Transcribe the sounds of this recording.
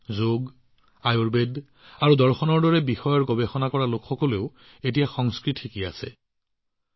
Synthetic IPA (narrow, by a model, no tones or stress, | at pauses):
zoɡ | ajoɹbed | aɹudɔɹxɔnɔɹdɔɹɛbixɔjɔɹɡɔbexɔnakɔɹalokxɔkɔleʊ | et̬ijaxɔŋskɹitʰikia̰sɛ̰